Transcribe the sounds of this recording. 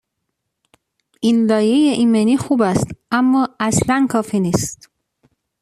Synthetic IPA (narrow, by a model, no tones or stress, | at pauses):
ʔinlɒːjejeʔimeniːxuːbæst̪ʔæmːɒːæslænkʰɒːfiniːst̪